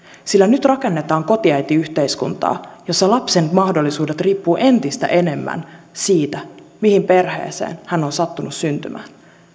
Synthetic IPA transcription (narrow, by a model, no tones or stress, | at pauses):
silːænyt̪rɑkenːe̞t̪ɑːŋko̞t̪iɑjt̪iyçt̪e̞jskunt̪ɑ̰ːjo̞sːɑlɑpse̞nmɑhdolːisuːde̞t̪riːpːuːʔe̞nt̪ist̪æ̰ʔe̞ne̞mːæ̰n | siːt̪æmihimpe̞rhe̞̰ːsḛːnhænːonsɑt̪ːunusynt̪y̰mʔæ̰ːn